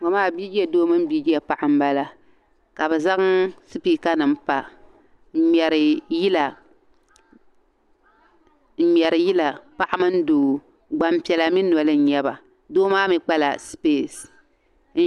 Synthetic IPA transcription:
ŋɔ˨maː˦˨bi˦d͡ʒi˦ɛ˨doː˦mɨ˦m̩˦biː˦d͡ʒi˦ɛ˨pa˨ʔa˨m̩˦ba˦la˦ | ka˨bɛ˨za˦ɣŋsɨ˦pi˦ka˦nɨ˨m̩˦pa˦˨ | ɲɛ˨ɾɨ˨ji˦la˨ | ɲɛ˨ɾɨ˨ji˦la˨pa˦ʔa˦mɨ˦n̩˦doː˨ | ɡ͡ba˨m˦pi˨ɛ˨la˨mi˦nɔ˨lɨ˦n̩˦ɲɛ˦ba˨ | doː˦maː˦mi˨k͡pa˦la̰˨speː˨s

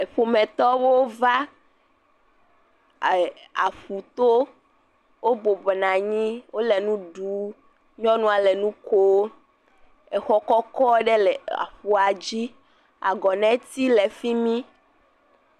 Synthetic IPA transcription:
e˨ɸo˨mɛ̃˨t̪ɔ˦wo˦va˦˨ | a̰˨ɸu˨t̪o˦ | wo˦bo˨bɔ˨nã˨ɲĩ˦wo˦lɛ˨nũ˦ɖu˨˦ | ɲɔ̃˦nũ˦a˨lɛ˨nũ˦ko˦ | ɛ˨xɔ˦kɔ˦kɔ˦ɖe˦lɛ˨a̰˨ɸu˨a˨d͡ʑi˦ | a̰˨ɡɔ˨nɛ̃˨˦t̪i˦lɛ˨fi˦mĩ˦

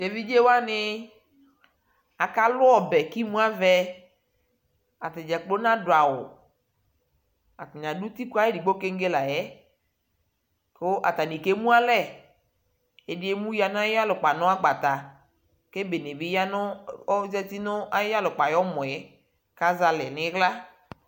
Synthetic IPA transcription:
de˨vi˦d͡ʒe˦wa˦nɪ˦ | a˨ka˦lʊ˦ɔ˨bɛ˨ki˦mũ˦a˦vɛ˦ | a˨t̪ɪ˨d͡ʒɛ˨k͡po˦nã˦dʊ˨a˨wʊ̰˨ | a˨t̪ɪ˨ɲã˨du˦t̪i˦ka˦e˦di˨ɡ͡bo˦ke˦ŋ̩˦ɡe˦la˨jɛ˦ | ko˦ʔa˨t̪a˨nĩ˨ke˦mũ˦a˦lɛ˦˨ | e˨dɪ˦e˦mũ˦ja˨nʊ̃˦a˦ja˦lʊ˨k͡pa˨nɔ̃˦a˦ɡ͡ba˨t̪a˨ | ke˦be˨ne˨bi˦ja˦nʊ˦ɔ˦zɛ˦t̪i˦nɔ˦a˦ja˦lʊ˨k͡pa˨jɔ˦mɔ̃˨jɛ˦ | ka˦za˨lɛ˨nɪ̃˨˦ɣla˦

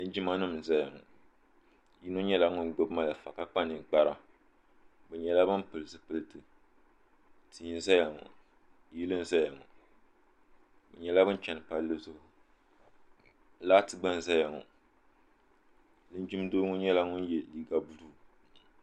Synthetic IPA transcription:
lɨ˦n˦d͡ʒi˦ma˦nɨ˦m˨za˦ja˨ŋɔ̰˨ | ji˦no˦ɲɛ˦la˦ŋʊ˦nɡ͡bo˦bma˦la˨fa˨ka˦k͡pa˦nɨ˨k͡pa˦ɾa˨ | bɛ˨ɲɛ˨la˦bɨ˦m˦pɨ˨ɨ˨zɨ˨pɨ˦lɨ˦tɨ˨ | tʰɨ˨ɲi˨˦n˦za˦ja˨ŋɔ̰˨ | ji˦lɨ˦n˦za˦ja˨ŋɔ̰˨ | bɛ˨ɲɛ˨la˦bɨ˦n˦t͡ʃɛ˨nɨ˨pa˦lːɨ˦zʊ˦hʊ˨ | laː˦tɨ˨ɡ͡ba˦n˨za˦ja˨ŋɔ̰˨ | lɨ˦n˦d͡ʒi˦m˦doː˦ŋʊ˦ɲɛ˦la˦ŋʊ˦n˦jɛ˨liː˦ɡa˦bu˨luː˦˨

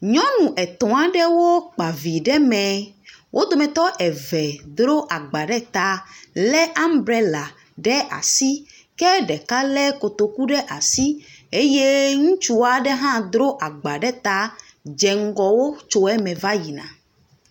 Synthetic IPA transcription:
ɲɔ̃˦nũ˨ʔɛ˨t̪ɔ̃˨a˦ɖɛ˦wo˦k͡pa˨vi˨ɖɛ˦mɛ̃˨ | wʔo˦d̪o˨mɛ̃˨t̪ɔ˦ʔɛ˨vɛ˨d̪ɾo˦ʔa˨ɡ͡ba˨ɖɛ˦t̪a˦lɛ˦ʔa˦m˦bɾɛ˨la˨ | ɖɛ˦ʔa̰˨si˦ | kɛ˦ɖɛ˨ka˦lɛ˦ko˨t̪o˨ku˦ɖɛ˦ʔa˨si˦e˦je˦ŋũ˦t͡ʃu˦a˦ɖɛ˦ɦã˦d̪ɾo˦ʔa˨ɡ͡ba˨ɖɛ˦t̪a˦ | d͡ʒɛ˨ŋ̩˦ɡɔ˨wo˦t͡ʃo˦ɛ˦mɛ̃˨va˦ji˨nã̰˨

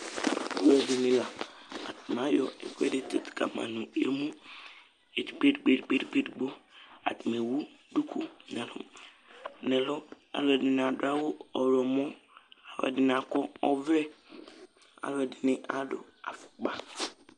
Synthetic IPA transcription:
a˦lɛ˨dɪ˨nɪ̃˨la˨a˨tm˨a˦jɔ˨ɛ̰˨kʷɛ˦dɪ˦te˨tka̰˨mã̰˨nũ˨ḛ˦mũ˦ | e˨ti˨ɡ͡be˦dɡ͡be˦dɡ͡be˦dɡ͡be˦dɡ͡bo˦a̰˨tu˨me˨wu˦ | du˦kʰu˦nɛ˨lʊ̰˦ | nɛ˨lʊ˦ | a̰˨lɛ˨dɪ˨n˨a˨dʊ˦a˦wʊ˦ɔ˨ɾɔ˨mɔ̃˦a˨lɛ̰˨dɪ˨n˨a˨kɔ˦ɔ˦vɾɛ˦ | a̰˨lɛ˨dɪ˨nɪ̃˦ʔa˦dʊ̰˨ | a̰˨fʊ̥˨k͡pa˦

